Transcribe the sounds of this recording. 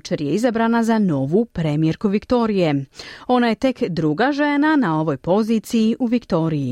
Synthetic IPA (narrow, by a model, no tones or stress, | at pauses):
t͡ʃeɾje̞izabɾaːnazano̞ʋupɾemijeɾkuʋikt̪o̞ɾije̞o̞naje̞t̪e̞kd̪ɾuɡaʒe̞nanao̞ʋo̞jpo̞ziːt̪sijiʔuʋikt̪o̞ːɾiji